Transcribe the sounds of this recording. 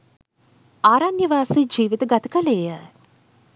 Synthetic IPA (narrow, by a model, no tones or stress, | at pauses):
aːɾanjəʋaːsid͡ʒiːʋit̪əɡat̪ə̥kɐleːjə